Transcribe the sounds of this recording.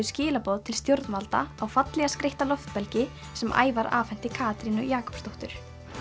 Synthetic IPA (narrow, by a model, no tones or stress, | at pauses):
ʏscɪːlapɔðt̪ʰɪlst̪jowɾt̪nvalt̪a̰awfat̪lɛɣaskɾejht̪alɔft̪pɛlcɪ | sɛmʔa̰ːjvaɾa̰ːfɛn̥t̪ɪkʰaːt̪ɾinʏ̰jaːkʰɔ̥pst̪owht̪ʏɾ̥